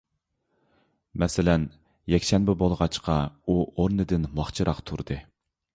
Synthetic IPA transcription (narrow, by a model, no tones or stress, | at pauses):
mɛsɪlɛn | jɛkʲʃɛnbɪbolˠʁɑt͡ʃqʰɑuoɾnɨd̪ɪnmɑχt͡ʃʰɨɾɑqt̪ʰuɾd̪̥ɨ